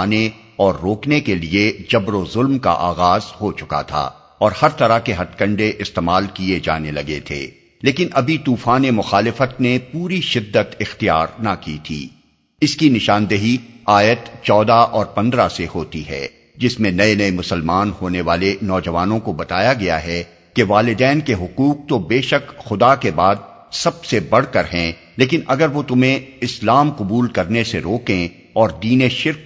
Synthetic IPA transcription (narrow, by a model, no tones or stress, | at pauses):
aːne | ɔːɾːoːknekelied͡ʒɐbɾozʊlmka̰ʔaːɣaːzhot͡ʃʊka̰t̪ʰa̰ː | ɔːɾhɐɾt̪ɐɾakeɦɐt̪kɐ̃ɳɖeʔɪst̪eːmaːlkied͡ʒa̰ːnelɐɡet̪ʰḛː | leːkɪnʔɐbʱit̪uːfaːnemʊxaːlɪfət̪̚nepuːɾiʃɪd̪ːət̪ɪxt̪ijaːɾnakit̪ʰḭː | ɪskinɪʃaːnd̪əɦiaːjət̪t͡ʃɔːd̪aʔɔːɾpɐ̃nd̪ɾasehoːt̪iɦɛ̰ː | d͡ʒɪsmẽnɐenɐemʊsəlmaːnhoːneʋaːlenɔːd͡ʒɐʋaːnõkobɐt̪aːjaɡɐja̰ɦɛ | keʋaːlɪd̪ɛːnkeɦʊquːq̚t̪obeːʃəkxʊd̪akebaːd̪̚ | sɐb̚sebɐɽ̤kɐɾɦɛ̃ː | leːkɪnʔɐɡəɾʋot̪ʊm̤ẽɪslaːmqʊbuːlkɐɾneseɾoːkẽ | ɔːɾd̪iːneʃɪɾk̚